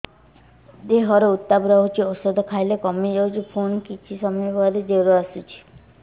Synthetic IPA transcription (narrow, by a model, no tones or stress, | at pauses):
d̪eɦɔɾeut̪ːabɾɔɦut͡ʃʰiɔsɔd̪ɔkʰajlekɔmid͡ʒɔwt͡ʃʰipʰunkit͡ʃʰisɔmijbʱɔɾed͡ʒ̪eɾoasut͡ʃʰi̥